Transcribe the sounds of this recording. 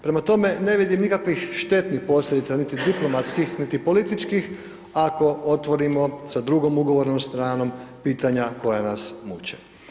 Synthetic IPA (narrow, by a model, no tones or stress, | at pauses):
pɾemat̪o̞me̞ne̞ʋid̪imnikakʋixʃt̪e̞t̪nixpo̞sʎʲed̪it̪sanit̪id̪iplˠo̞mat̪skixnit̪ipo̞lit̪it͡ʃkix | ako̞o̞t̪ʋo̞ɾimo̞sad̪ɾuɡo̞muɡo̞ʋo̞ɾnomst̪ɾaːno̞mpiːt̪aɲako̞janasmut͡ɕḛ